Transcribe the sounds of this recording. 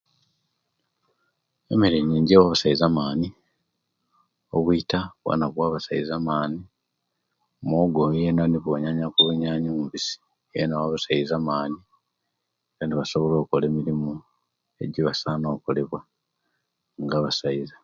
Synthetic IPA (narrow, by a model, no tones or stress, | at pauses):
e̞̰miɾiɲiːɲɟewaβasaizamaːni | o̰βwitaβwa̰naβwaːβasaizamaːni | moɡojenaniβoɲaɲakuβuɲaːɲomuvisi̥ | jenawaβasaizamaːni | ɡandiβaso̞βo̞lo̞ːkole̞ːmiɾimu | e̞̰ɟiβasaːno̞ːkole̞βwa | ŋɡaːβasaiza